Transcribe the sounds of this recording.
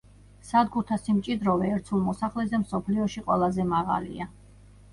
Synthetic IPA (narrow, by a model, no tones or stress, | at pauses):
sad̪ɡuɾt̪ʰasimt͡ʃʼid̪ɾɔvɛːɾt̪sʰulˠmɔsaχlɛzɛmsɔpʰliɔʃiqʼwɛ̰lˠazɛmaʁa̰lḭa